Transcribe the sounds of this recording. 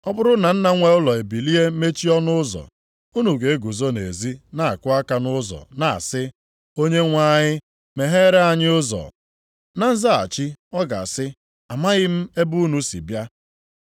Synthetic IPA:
ɔ˦bʊ˦ɾʊ˦na˨n̩˦na˦ŋʷe˨ʊ˦lɔ˨e˨bi˨li˦e˦me˦t͡ʃi˦ɔ˦nʊ˦ʊ˦zɔ̰˨ | u˦nu˨ɡe˨e˦ɡu˨zo˦nḛ˨zi˦na˨a̰˨kʊ˦a˦ka˨nʊ˦zɔ̰˨na˨a̰˨sɪ˦ | o˦ɲe˦ŋʷa˦ɲɪ˦ | me˨ɦe˦ɾe˦a˨ɲɪ˦ʊ˦zɔ̰˨ | na˦n̩˦za˦a̰˨t͡ʃi˦ɔ˦ɡa̰˨sɪ˦ | a˨ma˦ɣɪ˦m̩˦e˦bu˦nu˦sḭ˨bja˦

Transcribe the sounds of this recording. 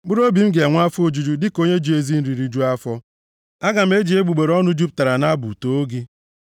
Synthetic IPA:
ɡ͡bʊ˦ɾo˦bi˨m̩˦ɡe˨ŋʷ˦a˦fo˨d͡ʒu˦d͡ʒu˦dɪ˦ko˦ɲe˦d͡ʒu˦e˦zi˦n̩˦ɾi˨ɾi˦d͡ʒu˦a˦fɔ˦ | a˦ɡa˨m̩˨˦e˦d͡ʒi˨e˦ɡ͡bu˨ɡ͡be˨ɾɔ˦nʊ˦d͡ʒu˦p̚ta˨ɾa˨na˦bṵ˨to˨o˦ɡi˦

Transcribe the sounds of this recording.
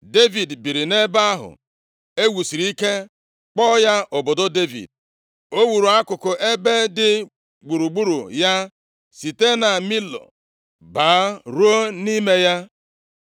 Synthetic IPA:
de˦vi˨dbi˨ɾi˨ne˦ba˦a˦ɦʊ̰˨ | e˦wu˨si˨ɾi˨˦i˦ke˦ | k͡pɔ˦ja˦ʔʊ˨bʊ˨dʊ˦de˦vḭ˨d̚ | o˦wu˨ɾu˨a˦kʊ˨kʊ˨ʔe˦be˦dɪ˦ | ɡ͡bu˨ɾu˨ɡ͡bu˦ɾu˨ja˦ | si˨te˦na˨mi˦lɔ̰˨ | ba˨˦ɾu˦o˦ni˦me˦ja˦

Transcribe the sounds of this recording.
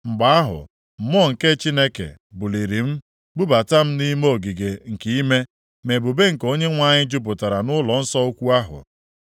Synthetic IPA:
ŋ͡m̩˨ɡ͡ba˨a˦ɦʊ̰˨ | m̩˨m˦ɔ˦˨ŋ̩˨ke˦t͡ʃi˦ne˦kḛ˨ | bʊ˨li˨ɾi˨m̩˦ | ɡ͡bu˦ba˨ta˦m̩˦ni˦mo˦o˨ɡi˨ɡe˨ŋ̩˨ki˦i˦me˦ | me˨bʊ˨be˦ŋ̩˨ko˦ɲe˦ŋʷa˨ɲɪ˦d͡ʒʊ˦p̬ʊ˨ta˨ɾa˨nʊ˦lɔ˨n̩˦sɔ˦o˦kʷu˦a˦ɦʊ̰˨

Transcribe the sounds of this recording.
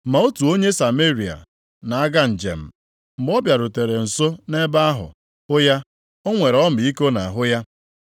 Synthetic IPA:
ma˨o˦tu˨o˦ɲe˦sa˨me˦ɾi˨a̰˨ | na˨a˦ɡa˦n̩˨d͡ʒḛ˨m̩˨ | m̩˨bɔ˦bja˨ɾʊ˨te˨ɾe˨n̩˨so˦ne˦ba˦a˦ɦʊ̰˨ | ʊ˦ja˦ | o˦ŋʷe˨ɾɔ˦m̩˨i˦ko˦na˨a˨ɦʊ˦ja˦

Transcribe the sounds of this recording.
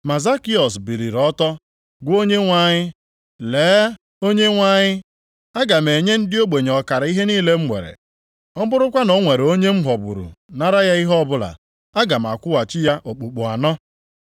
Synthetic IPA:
ma˨za˦ki˦ɔ˨sbi˨ɾi˨ɾɔ˦tɔ˦ | ɡʷo˦ɲe˦ŋʷa˦˨ɲɪ˦ | leː˨˦ | o˦ɲe˦ŋʷa˦ɲɪ˦ | a˦ɡa˨m̩e˨ɲe˦n̩˦dɪ˦o˦ɡ͡be˨ɲ˨ɔ˨ka˨ɾa˨˦i˦ɦe˦niː˦le˦m̩˦ŋʷḛ˨ɾḛ˨ | ɔ˦bʊ˦ɾʊ˦kʷa˦nɔ˨˦ŋʷe˨ɾe˨o˦ɲe˦m̩˦ɦɔ˨bʊ̰˨ɾṵ˨na˦ɾa˦ja˦i˦ɦɔ˦bʊ˦la̰˨ | a˦ɡa˨m̩˨a̰˨kʷʊ˦wa˨t͡ʃɪ˦ja˦ʔo˨k͡pu˨k͡pu˨a˨nɔ˦

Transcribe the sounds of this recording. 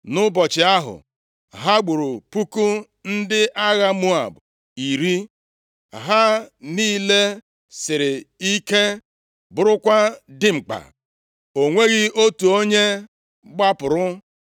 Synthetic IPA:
nʊ˦bɔ˨t͡ʃɪ˨a˦ɦʊ̰˨ | ɦa˦ɡ͡bu˨ɾu˨pu˦ku˦ | n̩˦dɪ˦ʔa˦ɣa˦mu˦a̰˨b | i˨ɾi˦ | ɦa˦niː˦le˦ | sɪ˨ɾɪ˨i˦ke˦ | bʊ˨ɾʊ˦kʷa˦dɪ˦ŋ͡m̩˨k͡pa̰˨ | o˨ŋʷe˦ɣɪ˦o˦tu˨o˦ɲe˦ | ɡ͡ba˦pʊ˨ɾʊ˦

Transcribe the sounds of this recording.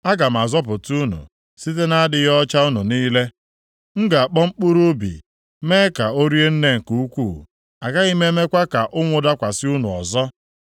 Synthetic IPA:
a˦ɡa˨m̩˨a˨zɔ˦p̬ʊ˨tu˦nṵ˨ | si˦t̬e˦na˦a˦dɪ˨˦jɔ˦t͡ʃa˦ʊ˦nu˨niː˦le˦ | ŋ̩˦ɡa˨a˨k͡pɔ˦ŋ͡m̩˦k͡pu˦ɾu˦bḭ˨ | me˦ka˨o˦ɾi˦e˦n̩˦ne˦ŋ̩˨ku˨˦u˦kʷuː˦˨ | a˨ɡa˦ɣi˦me˦me˦kʷa˦ka˨ʔʊ˦ŋʷʊ˨da˦kʷa˨sɪ˦u˦nu˨ɔ̰˨zɔ˦

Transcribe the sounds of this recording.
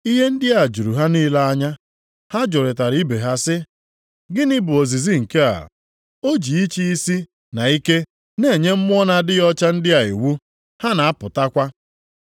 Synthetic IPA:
i˦ɦe˦n̩˦dɪ˦a˨d͡ʒu˨ɾu˨ɦa˦niː˦la˦a˦ɲa˦ | ha˦d͡ʒo˨ɾe˨ta˨ɾi˦be˨ɦa˦sɪ˦ | ɡɪ˦nɪ˦bʊ˨o˨zi˨zi˦ŋ̩˨ke˦a̰˨ | o˦d͡ʒi˨i˦t͡ʃi˦i˦si˦ | na˨i˦ke˦ | ne˦˨ɲe˦m̩˦mʊ˦ɔ˦na˦dɪ˦jɔ˦t͡ʃa˦n̩˦dɪ˦a˨i˨wu˦ | ha˦na˨a˦pʊ˨ta˦kʷa˦

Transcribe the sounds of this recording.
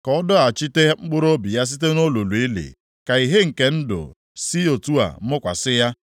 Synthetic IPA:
kɔ˨˦dɔ˦a˨t͡ʃi˦te˦ŋ͡m̩˦ɡ͡bʊ˦ɾo˦bi˨ja˦s̬i˦t̬e˦no˦lo˨lu˨i˦lḛ˨ | ka˨i˨ɦe˦ŋ̩˨ke˨n̩˦dʊ̰˨ | si˦o˨tu˦a̰˨˦mʊ˦kʷa̰˨sɪ˦ja˦

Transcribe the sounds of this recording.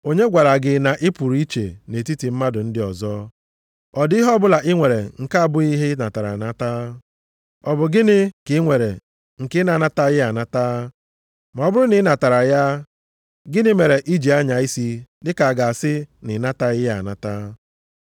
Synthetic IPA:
o˦ɲe˦ɡʷa˨ɾa˨ɡɪ˨na˨ʔɪ˦pu˨ɾi˦t͡ʃḛ˨ne˨ti˦ti˨m̩˦ma˦dʊ˨n̩˦dɪ˦ɔ˨zɔ˦ | ɔ˨dɦɔ˦bʊ˦la˨ʔɪ˦ŋʷe˨ɾe˨ŋ̩˨ka˦a˦˨bʊ˦i˦ɦɪ˦na˨ta˨ɾa˨na˦taː˦ | ɔ˨bʊ˨ɡɪ˦nɪ˦kɪ˨˦ŋʷe˨ɾḛ˨ | ŋ̩˨kɪ˦na˨na˦ta˦ɣɪ˦a˨na˦ta˦ | ma˨ɔ˨bʊ˦ɾʊ˦nɪ˨˦na˨ta˨ɾa˨ja˦ | ɡɪ˦nɪ˦me˨ɾe˨ʔi˦d͡ʒi˨a˦ɲa˨i˦si˦dɪ˦ka˨a˨ɡa˨a˨sɪ˦nɪ˨na˦ta˦ɣɪ˦ja̰˨na˦ta˦

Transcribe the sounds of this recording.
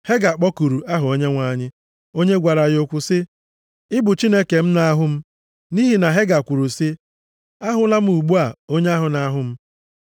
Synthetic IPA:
he˦ɡa˨k͡pɔ˦ku˨ɾu˨ʔa˦ɦʊ˨o˦ɲe˦ŋʷa˨˦˨ɲɪ˦ | o˦ɲe˦ɡʷa˨ɾa˨ɣo˦kʷʊ˦sɪ˦ | ɪ˦bʊ˨t͡ʃi˦ne˦ke˨m̩˦na˦ɦʊ˦m̩˦ | ni˦ɦi˨na˨ɦe˦ɡa˨kʷu˨ɾu˨si˦ | a˦ɦʊ˦la˦m̩˦u˨ɡ͡bu˦a˨o˦ɲe˦a˦ɦʊ˨na˨˦ɦʊ˨m̩˦

